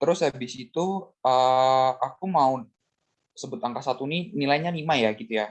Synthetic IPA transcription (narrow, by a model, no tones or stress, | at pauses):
t̪əɾʊshabɪsit̪uəakumaʊn | səbʊt̪aŋkasat̪uninilajɲanimajaɡit̪uja